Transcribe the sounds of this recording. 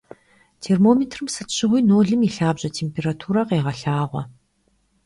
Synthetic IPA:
tʰeːrmoːmeːtʰrɨmsɨtɕɪʁʷiːnoːɮɨmiːɬaːbʑɐtʰeːmpʰeːratʰuːɾɐqeːʁɐɬaːʁʷɐ̰

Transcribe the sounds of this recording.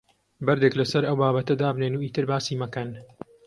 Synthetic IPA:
bɐɾd̪eklɐsɐɾɐwbaːbɐt̪ɐd̪aːbneːnuːiːt̪ɨɾbaːsiːmɐkɐn

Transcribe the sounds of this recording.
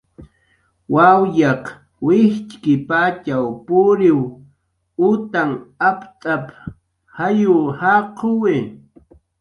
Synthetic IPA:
wawjɑq | wɪht͡ʃkɪpat͡ʃawpʊɾɪw | ʊt̪aŋapt̪ʼap | hajʊhaqʰowɪ

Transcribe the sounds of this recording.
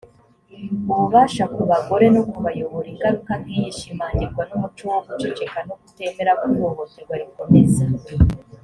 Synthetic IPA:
uβuβaːʃakuβaɡo̞ɾe̞nokuβajoβoɾiŋɡaɾukamɡijiʃimaːndiɡwanumut͡ʃuwoɡut͡ʃet͡ʃe̞kanoɡute̞ːme̞ɾakuoβokeɡwaɾikumeza

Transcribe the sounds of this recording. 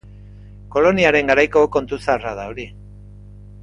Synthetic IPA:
ko̞lo̞niaɾe̞ŋɡaɾajko̞ko̞nt̪usaraðaoɾi

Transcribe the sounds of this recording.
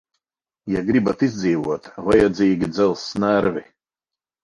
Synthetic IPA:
jaɡɾibat̪izd̪ziːvuɔt̪vajɛd̪zʲiːɡʲid̪zɛlˠsːnæɾvʲi

